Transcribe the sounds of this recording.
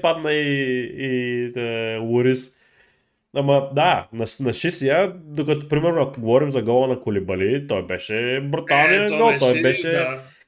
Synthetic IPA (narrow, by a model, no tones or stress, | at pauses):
pad̪nɐiː | əluɾis | amɐd̪anɐʃnɐʃisijad̪okɐt̪ɔpɾimɛɾnoɐkɡovɔɾimzɐɡɔlˠɐnɐkolibɐlit̪ɔjbɛʃɛbɾut̪alˠnijəɡɔlˠt̪ɔjbɛʃɛ